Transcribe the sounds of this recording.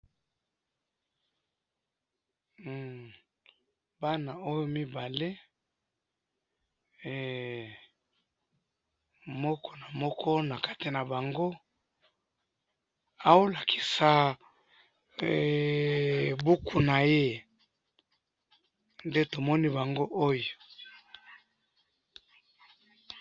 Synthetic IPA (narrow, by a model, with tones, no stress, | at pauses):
ba˦na˨o˦jo˦mi˦ba˨le˦˨ | mɔ˦kʰɔ˦na˨mɔ˦kʰɔ˦na˨ka˦te˨na˨ba˨ŋɡo˦ | a˨wo˦la˨kʰi̥˨sa˨ | bu˦ku˨na˨je˦ | nde˦to˨mɔ˦ni˦ba˨ŋɡo˦ʔo˦jo˨